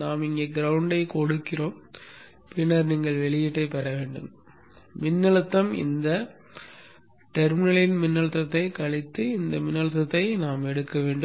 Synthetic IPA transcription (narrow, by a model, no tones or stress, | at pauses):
naːmɪŋɡeːɡɪɾɐʋʊɳɖɐɪkɔɽɯkːɪroːm | pɪnːɐɾniːŋɡɐɭʋɛɭɪjɪʈːɐɪpːɐɾɐʋeːɳɖɯm | mɪnːɐɭɐt̪ːɐmɪ̰nd̪ɐ | ʈɛɾmɪnɐɭɪnmɪnːɐɭɐt̪ːɐt̪ːɐɪkɐɭɪt̪ːɯɪnd̪ɐmɪnːɐɭɐt̪ːɐt̪ːɐɪnaːmɛɽɯkːɐʋeːɳɖɯ